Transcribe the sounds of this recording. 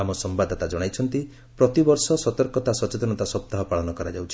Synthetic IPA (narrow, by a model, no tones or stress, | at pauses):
amɔsɔmbad̪ʱɔt̪ad͡ʒɔɽ̃ajt͡ʃʰɔnt̪i | pɾɔt̪ibɔɾsɔsɔt̪ɔɾkɔt̪asɔt͡ʃet̪ɔnɔt̪asɔp̚t̪aɦɔpaɭɔnɔkɔɾad͡ʒawt͡ʃʰi